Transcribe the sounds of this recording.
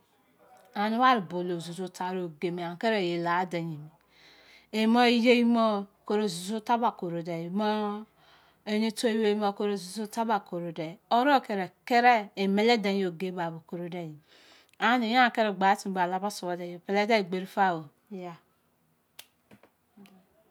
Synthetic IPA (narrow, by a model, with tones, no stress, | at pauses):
a˨nu˦wa˦ɾi˨bo˨lo˨zu˨zo˦ta˨˦ɾo˨ɡe˨me˨a˨ke˦ɾe˨je˨la˨˦de˨ɲi˨mi˨ | e˨mo˦i˦je˦ji˦mɔ˦ko˦ɾo˨zu˨zu˦ta˦ba˨ko˨ɾo˨de˨e˨mɔ˦ | e˦ɲe˦to˦i˦we˦mo˦ko˦ɾo˨zu˨zu˦ta˦ba˨ko˨ɾo˨dɛ˨o˦ɾɔ˦˨ke˨ɾɛ˨ke˦ɾɛ˦e˨me˨le˦de˨˦o˨ɡe˦ba˨bo˨ko˨ɾo˦dɛ˨ji˨ | a˨˦ni˨˦ja˦˨ke˦ɾɛ˦˨ɡ͡ba˨˦ti˦˨˦ɡ͡ba˨la˦ba˦so˨bɔ˨dɛ˨jo˨pɛ˨lɛ˦dɛ˦i˨ɡ͡be˨ɾi˦fa˦˨wo˨˦ | ja˨